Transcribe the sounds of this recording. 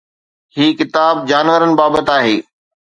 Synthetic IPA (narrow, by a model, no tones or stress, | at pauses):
hiːkɪt̪aːb̚d͡ʑaːnʋəɾənɪ̆baːbət̪aːɦeː